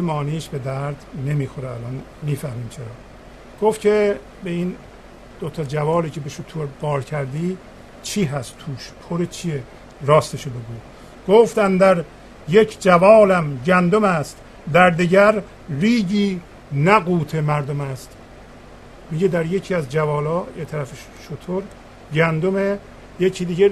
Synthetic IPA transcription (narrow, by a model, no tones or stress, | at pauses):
emɒːniːʃbe̞d̪æɾd̪ne̞miːxoɾeælɒːn | miːfæhmiːmt͡ʃʰe̞ɾɒː | ɡ̥ofkʰe | beiːn | d̪̥ot̪ʰɒd͡ʒævɒːliːcʰebeʃot̪ʰuɾbɒːɾcʰæɾd̪iː | t͡ʃʰiːɦæst̪t̪ʰuːʃpʰoɾet͡ʃʰie | ɾɒːst̪eʃobe̞ɡuː | ɡ̥oːft̪ænd̪æɾ | jekʰd͡ʒævɒːlæmɟænd̪omæst̪ | d̪æɾd̪iɟæɾ | riːɟiː | næɡuːt̪ʰemæɾd̪omæst̪ | miɟed̪æɾjecʰiːæzd͡ʒævɒːlɒːjet̪ʰæɾæfeʃ | ʃot̪ʰoɾ | ɟænd̪ome | jecʰiːd̪iːɟe